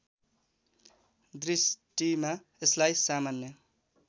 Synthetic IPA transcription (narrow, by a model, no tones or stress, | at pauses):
d̪ɾisʈima | eslajsamanːʌ